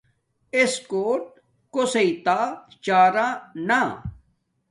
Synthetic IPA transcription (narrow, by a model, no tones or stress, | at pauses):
eskoːʈ̚ | koseit̪aːt͡ɕaːɾãːna